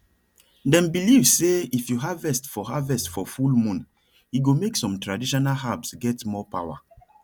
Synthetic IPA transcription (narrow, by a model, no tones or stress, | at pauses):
dɛ̃mbilivseifjuɦavɛstfɔhavɛstfɔfulmũn | iɡomeksɔ̃mtɹadiʃɔnalɦabsɡɛtmɔpawa̰